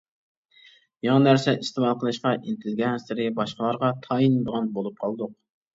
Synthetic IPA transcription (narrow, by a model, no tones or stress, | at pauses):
jɑŋɑnæɾsɛʔɨst̪emɑlˠqəlˠɨʃqɑʔint̪ʰelɪɡʲɛnsɪɾɪbɑʃqəlˠɑɾʁɑt̪ʰɑind̪əʁɑnbolˠup̚qʰɑlˠd̪ʊq̚